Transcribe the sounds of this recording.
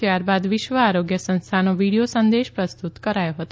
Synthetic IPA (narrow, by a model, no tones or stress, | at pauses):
t̪jaɾbad̪ʋɪʃʋəaɾoɡjəsə̃nst̪ʰanoʋiɽijosənd̪eʃpɾəst̪ut̪kəɾajoɦət̪o